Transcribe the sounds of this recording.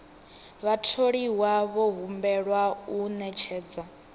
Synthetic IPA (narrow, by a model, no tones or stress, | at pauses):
βatʰoɺiwaβɔɦumbɛɺwaunɛt͡ʃʰɛːd͡za